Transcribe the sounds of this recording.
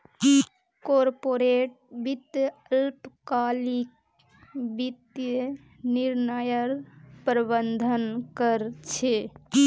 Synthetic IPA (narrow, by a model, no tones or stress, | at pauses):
i | koɾpoɾeʈ̚bit̪jəlpkaːlik | bit̪jə | niɾnəjəɾpɾbənd̪ʱənkəɾt͡ʃʰe